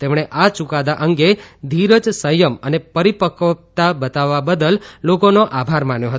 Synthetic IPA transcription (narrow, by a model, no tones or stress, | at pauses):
t̪emɳ̃eʔat͡ʃukad̪aʔəŋɡed̪ʱiɾəd͡ʒsəjəmənepəɾipəkt̪abət̪aʋːabəd̪əlːokonoʔabʱaɾmanjoɦət̪o